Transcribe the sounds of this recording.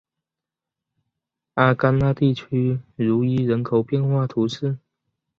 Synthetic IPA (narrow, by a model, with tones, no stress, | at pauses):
a˥˩ka˥nla˥˧t̪i˥˩t͡ɕʰy˥ɻu˧˥i˥ɻə˧˥nkʰo˨˩ʊpjɛ˥˧nxwa˥˩t̪ʰu˧˥ʂɻ̩˥˩